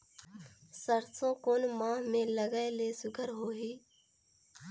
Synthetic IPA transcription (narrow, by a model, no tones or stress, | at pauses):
səɾsõːkoːnmãːɦmẽːləɡaeleːsʊɡʰʱəɾɦoːɦiː